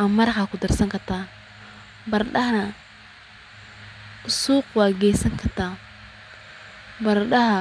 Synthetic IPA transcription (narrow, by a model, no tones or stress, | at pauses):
ʔɐmɐɾkakʰʊd̪ɐrsɐŋkʰɐrt̪ʰaːn | bɐrɗɐɦnɐ | ʔʊsuːqwaːɡɛjsɐŋkʰɐrt̪ʰaː | bɐɾɗɐɦɐ